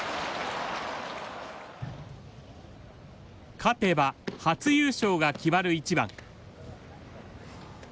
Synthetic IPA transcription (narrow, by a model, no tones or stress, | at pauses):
kʰat̪e̞bahat͡sɨjɨːɕo̞ːɡakʲibaɾɯ̟it͡ɕibã̰ŋ